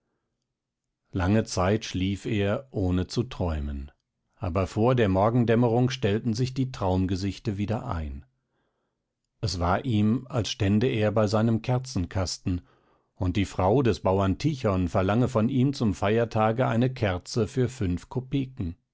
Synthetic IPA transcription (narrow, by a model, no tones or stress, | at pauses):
laŋət͡saɪtʃliːfeːɐʔoːnət͡sutʁ̥ɔʏmən | ʔaːbɐfoːɐdeːɐmɔɐɡŋ̩dɛməʁʊŋkʃtɛltn̩zɪçd̥iːtʁ̥aʊmɡəzɪçtəviːdɐʔa̰ɪn | ʔɛsv̥aːɐʔiːmalsʃtɛndəeːɐbaɪzaɪnəmkʰɛɐt͡sn̩kʰastn̩ | ʊnt̚d̥iːfʁ̥aʊdɛsb̥aʊɐntʰiçɔnfɛɐlaŋəfɔniːmt͡sʊmfaɪɐtʰaːɡəa̰ɪnəkʰɛɐt͡səfyːɐfʏnfkʰopeːkŋ̩